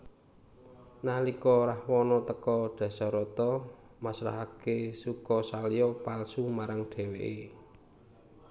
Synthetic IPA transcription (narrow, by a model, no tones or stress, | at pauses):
nahlikɔɾahwɔnɔt̪əkɔɖ̪̥ä̤sɔɾɔt̪ɔ | masɾa̰ɦakesukɔsalijɔpalsumaɾaŋɖ̪̥e̤weʔe